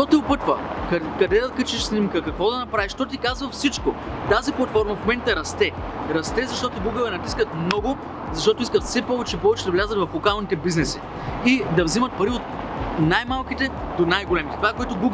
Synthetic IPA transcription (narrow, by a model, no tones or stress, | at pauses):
ʃt̪ɔt̪ɛopɤt̪və̰kkɐd̪ɛd̪ɐkət͡ʃɛʃsnimkəkɐkvɔd̪ɐnɐpɾaviʃt̪ɔt̪ikazvəfsit͡ʃkot̪aziplˠɐt̪fɔɾmɐfomɛnt̪əɐɾɐst̪ɛɾɐst̪ɛzɐʃt̪ɔt̪oɡuɡəvɛnɐt̪iskət̪̚mnɔɡʊ | zɐʃt̪ɔt̪ʊiskət̪fsɛpɔvɛt͡ʃɛpɔvɛt͡ʃɛd̪ɐvlʲazət̪vɐflˠokalˠnit̪ɛbiznɛsi | id̪ɐvzimɐt̪̚pɐɾiot̪̚ | najmalˠk̟it̪ɛd̪onajɡolɛmit̪ɛ̥t̪ovakoɛt̪oɡuɡ